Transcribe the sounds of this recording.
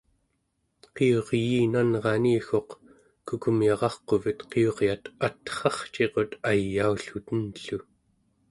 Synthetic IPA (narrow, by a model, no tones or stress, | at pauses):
qeo̞ʁjiːnanʁɑniːxo̞q | kukumjɑʁɑχqo̞vət̪qeo̞ʁjat̪at̪χɑχt͡ʃe̞qo̞t̪ajːauɬut̪ənɬu